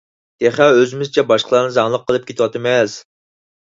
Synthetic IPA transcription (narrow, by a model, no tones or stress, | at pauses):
d̪̥eχæøzɪmɪzɪt͡ʃʰɛbɑʃqʰəlˠɑɾnɨzɑŋlˠəqʰːəlˠɨp̚kʲʰet̪ʰwɑt̪ɨmɛz